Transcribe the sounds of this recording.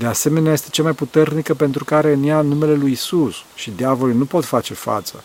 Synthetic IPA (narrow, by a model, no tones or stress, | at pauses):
d̪e̞ase̞me̞neaje̞st̪e̞̥t͡ʃamajput̪e̞rnikəpe̞nt̪ɾukaɾe̞ɨnjanːume̞le̞lujisusʃid̪eavo̞lijnupo̞t̪fat͡ʃe̞fa̰t̪sə̰